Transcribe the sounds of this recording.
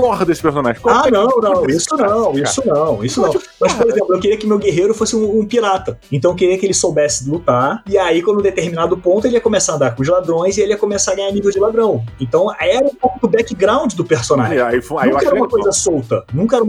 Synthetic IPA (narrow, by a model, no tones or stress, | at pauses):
kɔhɐd̪esɪpeɾsõna̰ʒẽkɔanɐ̃w̃nɐ̃w̃isʊnɐ̃w̃isʊnɐ̃w̃isʊnɐ̃w̃ | mɐspoɾezẽplʊewkeɾiɐkɪʊmewɡeɦeɾʊfosɪũũpiɾat̪ɐẽnt̪ɐ̃w̃ekeɾiɐkɪelɪsowbɛsɪ̥lut̪aɾɪaikõd̪ʊd̪et̪eɾminad̪ʊpõnt̪ʊelɪiɐkomesaɾɐd̪akõʊʒlad̪ɾõj̃zielɪiɐkõmesaɾɐɡɐ̃ɲaɾnivewd͡ʒɪlad̪ɾɐ̃w̃ẽt̪ɐ̃w̃aɛɾɐũpowkʊd̪ʊbɛkɪɡɾãw̃d͡ʒɪd̪ʊpeɾsõnaʒʒaifanũkɐɛɾɐũmɐkojzɐsowt̪ɐnũkɐɛɾɐm